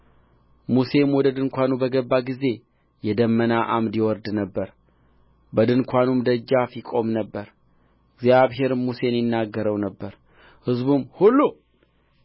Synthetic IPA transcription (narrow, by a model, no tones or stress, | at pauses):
muse̞mwɔd̪əd̪ɨŋkʷʰanubəɡəbːaɡize̞ | jɛd̪əmːənaʔamd̪jɛwɔɾd̪nəbːəɾ | bəd̪ɨnkʷʰanumd̪əd͡ʒːafikʼo̞mnəbːəɾ | ɪɡzjaβɦe̞ɾmːuse̞njɪnːaɡːəɾəwnəbːəɾ | hɨzbumhulːu